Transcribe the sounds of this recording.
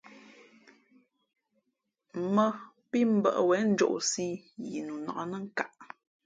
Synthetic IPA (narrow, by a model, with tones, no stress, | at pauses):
mə˦ | pi˦m̩˦bə̰˨ʔwɛ˨˦n̩˦d͡ʒo̰˦˨ʔsi˦ji˨nu˨nɔ̰˨ʔnə˦ŋ˦ka˨ʔ